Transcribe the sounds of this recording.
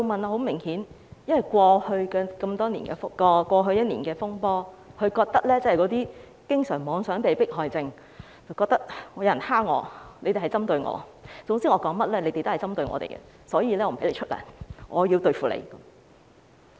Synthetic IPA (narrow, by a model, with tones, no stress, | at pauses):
t͡so˨˧wmɐ˨naː˨˧ho˨˥wmɪ˨˩ŋhiː˨˥n | jɐ˥nwɐ˨˩jkʷwɔː˧hɵ˧ɥkɛː˧kɐ˧mt̪ɔː˥nḭː˨˩nkɛː˧fʊ˥kɔː˧kʷɔː˧ɦɵ˧ɥjɐ˥t̚niː˨˩nkɛː˧fʊ˥ŋpɔː˥ | kʰɵ˨˧ɥkɔː˧k̚t̪ɐ˥k̚lɛː˥t͡sɐ˨˩hɐ˨jkɔ˨˧˥t̪iː˥ | kɪ˥ŋsœː˨˩ŋmɔː˨˧ŋsœː˨˥ŋpe˨jpɪ˥k̚ɦɔː˨jt͡sɪ˧ŋ | t͡sɐ˨wkɔː˧k̚t̪ɐ˥k̚ŋɔː˨˧jɐ˧jnhaː˥ŋŋɔ̰ː˨˧ne˨˧jte˨˩ɦɐ˨˩t͡sɐ˥mt̪ɵ˧ɥŋɔ̰ː˨˧t͡sʊ˨˥ŋsiː˥ŋɔː˨˧kɔː˨˥ŋmɐ˥t̚lɛː˥ne˨˧te˨jt̪hjt͡sɐ˥mt̪ɵ˧ɥŋɔ̰˨˧t̪ḛ˨˩jkɛ̰˧ | sɔː˨˥jiː˧lɛː˥ɔː˨˧m˨˩pe˨˥le˨˧t͡ʃʰt̚lɐ̰˨˩ŋɔː˨˧jiː˧wt̪ɵ˧ɥfuː˨lḛ˨˧jkɐ˨˦m